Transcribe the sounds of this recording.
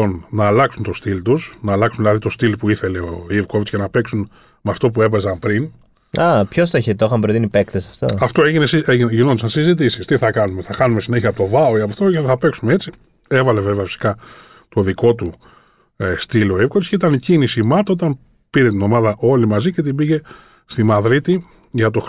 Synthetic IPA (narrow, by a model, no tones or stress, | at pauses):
onnɐːlɐksunt̪o̞st̪ilt̪usnɐːlɐksunðilɐðit̪o̞st̪ilpuiθe̞le̞oivko̞vit͡scenɐpe̞ksun | mɐft̪o̞p̬ue̞pe̞zɐmpɾin | ɐpçost̪oeçet̪oixɐmpɾot̪inipekt̪esɐft̪o̰ɐft̪oeʝinesieinʝinond̪sɐnsizit̪̬isist̪iθɐkɐnume̞θɐxɐnumesine̞çiɐpot̪o̞vɐoiɐpoft̪oceθɐpe̞ksumeet͡si | evɐle̞ve̞veɐfi̥si̥kɐ | t̪o̞ðiko̞t̪u | st̪ilo̞ivkovit͡sceit̪ɐnicinisimɐt̪ot̪ɐn | piɾe̞t̪ino̞mɐðɐʔo̞limɐzice̞t̪ibiʝe̞ | st̪imɐðɾit̪i | ʝɐt̪̬o̞x